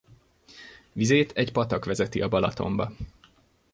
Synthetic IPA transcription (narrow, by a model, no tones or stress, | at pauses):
ʋizeːt̪ʰɛcpɒt̪ɒkʋɛzɛt̪iʔɒbɒlɒt̪o̞̰mbɒ